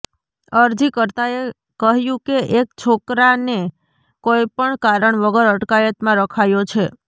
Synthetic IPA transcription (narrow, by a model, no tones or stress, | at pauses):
əɾd͡ʒikəɾt̪ae | kəɦjũkeʔekt͡ʃʰokɾane | kojpəɳkaɾəɳʋəɡəɾəʈkajət̪mãɾəkʰajot͡ʃʰe